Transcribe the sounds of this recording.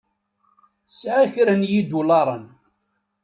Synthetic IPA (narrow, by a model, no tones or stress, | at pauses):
sʕaçɾənjid̪ulɑɾˤən